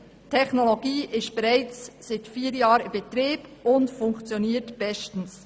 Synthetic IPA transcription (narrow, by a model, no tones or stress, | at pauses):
tʰɛχnoloɡiːʔɪst̚b̥ɛʁaɪt͡ssɪtfiːɾjɑːɾɪb̥ɛt̪ɾiːb̥ʊndfʊŋkt͡sjoniːtb̥ɛstn̩s